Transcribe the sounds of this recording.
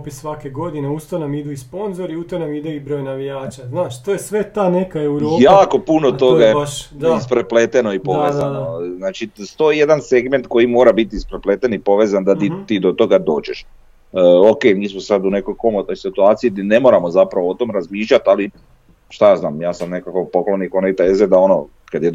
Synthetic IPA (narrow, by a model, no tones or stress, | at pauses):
pissʋakeɡo̞d̪ineust̪onamid̪uispo̞nzoɾiut̪onamid̪eibɾo̞ːjnaʋijaːt͡ʃaznaːʃt̪ojesʋet̪aːnekaewɾoːjaːko̞punot̪o̞ɡaeʃd̪iispɾepleːt̪enoipo̞ʋezannoznaːt͡ʃist̪o̞ije̞d̪anse̞ɡme̞nt̪ko̞jimoːɾabit̪iːspɾeplet̪enipo̞ʋe̞ːzand̪at̪it̪iːd̪ot̪o̞ɡad̪o̞ːd͡ʒeʃ | oke̞ːmiːsmosad̪une̞ko̞jko̞mot̪no̞jsit̪uaːt̪sijid̪ne̞mo̞ːɾamozapɾaʋoot̪o̞ːmɾazmiːʃlʎʲat̪ali | ʃt̪ajaːznaːmjaːsamne̞kako̞po̞klonikonejt̪aezed̪ao̞no̰ | kad̪jed̪